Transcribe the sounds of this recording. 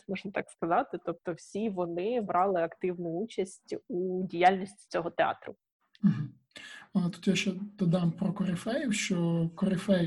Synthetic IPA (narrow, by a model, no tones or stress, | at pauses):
mɔʒnɐt̪ɑkskɐzɑt̪ɪt̪ɔp̚t̪ɔwsʲiʋɔnɪbɾʔɑlˠɪɐkt̪ɪwnʊut͡ʃɐsʲtʲudʲijalʲnʲisʲtʲi̥t͡sʲɔɦɔt̪eɑ̰t̪ɾʊ̰ | m̩ɦm̩ | ɐt̪u̥t̪jaʃt͡ʃɛd̪̥ɐd̪ɑmpɾɔkɔɾɪfɛjiwʃt͡ʃɔkɔɾɪfɛj